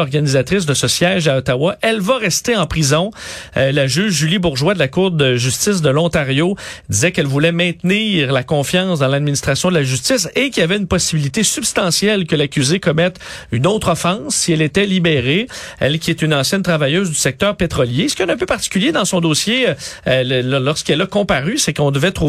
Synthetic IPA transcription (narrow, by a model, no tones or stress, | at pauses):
ɔʁɡanizat̪ʁɪs̬d̪əsəsjɛʒaɔt̪awaʔɛlvaʁɛst̪eɑ̃pʁizɔ̃laʒyːʒʒylibʊʁʒwad̪əlakʊʁd̪əʒyst̪ɪs̬d̪əlɔ̃t̪aʁjod̪izɛkɛlvulɛmɛ̃t̪niːʁlakɔ̃fjɑ̃sd̪ɑ̃lad̪minist̪ʁasjɔ̃d̪əlaʒyst̪ɪsekʲiavɛynpɔsibilit̪esybst̪ɑ̃sjɛlkəlakʲyzekɔmɛt̪ynoːt̪χɔfɑ̃sːiɛlet̪ɛlibeʁeɛ̰lkʲiet̪ynɑ̃sjɛnt̪ʁavajøːzd̪ysɛk̚t̪œːʁpet̪ʁɔljeskjɛ̃nœ̃pøpaʁt̪i̥kʲyljed̪ɑ̃sɔ̃d̪oːsje | llɔʁskɛlakɔ̃paʁysekɔ̃d̪əvɛt̪χʁu